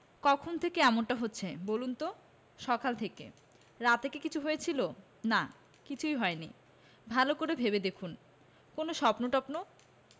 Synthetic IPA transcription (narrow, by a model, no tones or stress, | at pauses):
kɔkʰont̪ʰekeɛmonʈaɦotːɕʰebolunt̪o | ʃɔkalt̪ʰekḛ | ɾat̪ekekit͡ɕʰuɦojet͡ɕʰilo | na | kit͡ɕʰuijɦɔenḭ | bʱalokoɾebʱeβed̪ekʰun | konoʃɔpnoʈɔpno